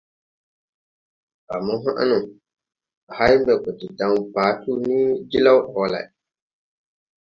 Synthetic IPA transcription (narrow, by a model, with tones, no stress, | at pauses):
a̰˨mɔ˦ɦa̰˦ʔa̰˦nʊ˨ | a˨ha˦bɛ˨kɔ˨tɪ˨dã˨ŋ˨paː˨˦tu˦ni˦d͡ʒi˦la˦whɔ˨la̰˨